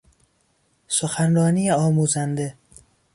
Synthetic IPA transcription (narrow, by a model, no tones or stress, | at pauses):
soxænɾɒːniːjeɒːmuːzænd̪e̞